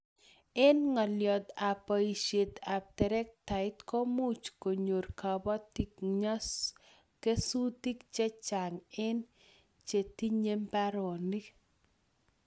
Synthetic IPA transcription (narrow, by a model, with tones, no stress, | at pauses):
ɛ˦nŋɔ˨ljɔ˨d̪a˨pɔ˨i˨ʃe˨t̪a˨b̚tɛ˨ɾɛ˦k̚ta˨ɪtkɔ˦mu˦t͡ʃko˨ɲo˨rka˨bɔ˦ti˦kɲa˦s | ke˦su˦ti˦kt͡ʃɛ˦t͡ʃa˨ŋɪ˦n | t͡ʃe˨t̪i˦ɲe˦mpa˦ɾɔ˨ni˦